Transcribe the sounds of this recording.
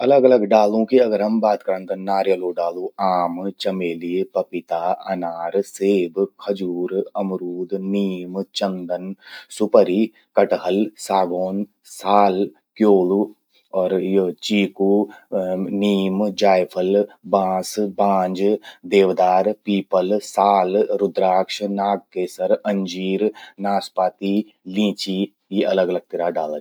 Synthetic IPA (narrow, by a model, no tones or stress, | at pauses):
ɐləɡɐləɡɖaːlõkiɐɡəɾɐmbaːt̪kɐɾənt̪ɐnaːɾjəloːɖaːlũaːmt͡ʃɐmeːlipɐpɪt̪aːɐ̰naːɾseːbkʰɐd͡ʒuːɾɐmɾuːd̪niːmt͡ʃənd̪ənsʊpəɾiː | kɐʈɦəlsaːɡoːn | saːl | kjoːlu | ɔːɾjt͡ʃiːku | niːmd͡ʒaːjpʰəlbãːsbãːɲd͡ʒd̪eːʋd̪aːɾpiːpəlsaːlɾʊd̪ɾaːkʃnaːɡ̚keːsəɾɐ̃ɲd͡ʒiːɾnaːspaːt̪i | lĩːt͡ʃi | jiʔɐləɡɐləɡ̚t̪ɪɾaɖaːlə